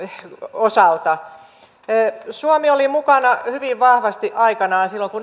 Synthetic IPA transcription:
osɑlt̪ɑː | suomiolimukɑnɑhyʋiʋʋɑhʋɑst̪iʔɑikɑnɑːnsilːoŋkun

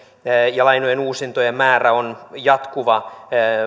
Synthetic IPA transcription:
jɑlɑjnojenuːsint̪ojemmæːræonjɑt̪kuʋɑ

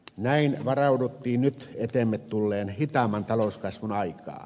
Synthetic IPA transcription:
næinʋɑrɑudut̪ːiːnnyt̪et̪emːet̪t̪ulːeːnhit̪ɑmɑnt̪ɑloskɑsʋunɑikˑɑ̰ː

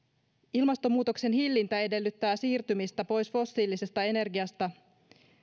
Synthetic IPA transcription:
ilmɑst̪o̞muːt̪o̞kse̞nhilːint̪æe̞de̞lːyt̪ːæːsiːrt̪ymist̪æpo̞jsfo̞sːiːlise̞st̪ɑe̞ne̞rɡiɑst̪ɑ

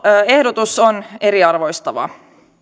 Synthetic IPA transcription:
e̞hdot̪usone̞ɾiɑrʋojst̪ɑʋɑ̰

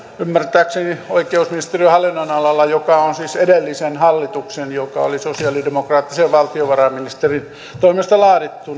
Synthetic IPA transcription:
ymːært̪æːksenioikeusminist̪erihɑlːinːoinɑlɑlːɑjokɑonsiːsedelːisenhɑlːit̪uksenjokɑ̰o̰lisosiɑlidemokrɑːt̪ːiseʋʋɑlt̪ioʋɑrɑminist̪erin | t̪oimest̪ɑlɑːɾit̪ːun

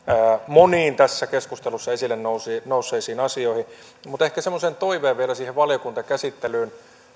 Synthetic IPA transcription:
moniːnt̪æsːækeskust̪elusːɑesilːennousinousːˑeːsiːnɑsioihi | mut̪ehkæsemːoseːnt̪oiʋeːʋʋielæsiːheʋʋɑljokunt̪ɑkæsit̪ːelyːn

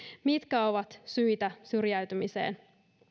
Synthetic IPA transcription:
mit̪kæoʋɑt̪syjt̪æsyrjæyɥt̪ymisḛːn

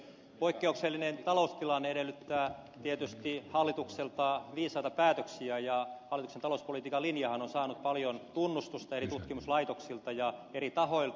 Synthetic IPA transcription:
poikːeukselːinent̪ɑloust̪ilɑnːeeɾelːyt̪ːæːt̪iet̪yst̪ihɑlːit̪ukselt̪ɑʋiːsɑit̪ɑpæːt̪øksiæjɑɑlit̪uksent̪ɑlouspolit̪iːkɑlinjɑhɑnonsɑːnut̪̚pɑljont̪unːust̪ust̪ɑerit̪ut̪kimuslɑit̪oksilt̪ɑjɑeɾit̪ɑhoil

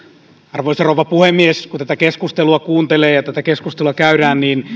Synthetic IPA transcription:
ɑrʋoiserowʋɑpuhemːieskut̪æt̪ækeskust̪eluɑkuːnt̪eleːjɑt̪æt̪ækeskust̪eluɑkæyɾæːnniːn

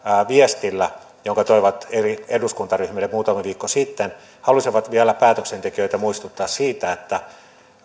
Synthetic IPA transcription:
ʋiest̪ilːæ | joŋkɑt̪oiʋɑt̪erieduskunt̪ɑryhmilːemuːt̪ɑmeʋiːkːosit̪ːen | hɑlusiʋɑt̪ʋiælæpæːt̪øksent̪ekiøit̪æmuist̪ut̪ːɑːssiːt̪æet̪ːæ

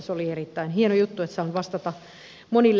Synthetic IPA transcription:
solierit̪ːæinhienojut̪ːuet̪sɑːnʋɑst̪ɑt̪ɑ | monilː

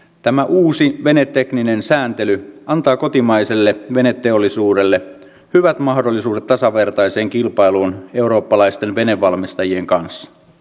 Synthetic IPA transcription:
t̪æmæʔuːsiʋe̞net̪ːekninensæːnt̪e̞lyʔɑnt̪ɑːko̞t̪imɑiselːeʋe̞net̪ːeolːisuːde̞lːe | hyʋæt̪mɑhdo̞lːisuːdet̪ːɑsɑʋe̞rt̪ɑjse̞ːŋkilpɑjluːne̞uɾo̞ːpːɑlɑist̪e̞nʋe̞ne̞ʋːɑlmist̪ɑjie̞ŋkɑnsːɑ̥

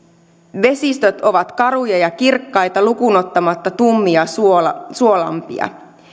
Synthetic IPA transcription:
ʋe̞sist̪øt̪o̞ʋɑt̪kɑɾujɑjɑkirkːɑjt̪ɑlukuno̞t̪ːɑmɑt̪ːɑt̪umːiɑsuo̞lɑ̰mpḭɑ̰

